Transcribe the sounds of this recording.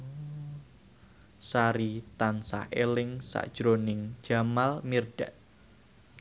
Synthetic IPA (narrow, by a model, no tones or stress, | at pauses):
saɾit̪ansa̰helɪŋsa̰ʔd̥ʒ̥ɾonɪŋ̥d͡ʒ̥a̤malmirɖ̥aʔ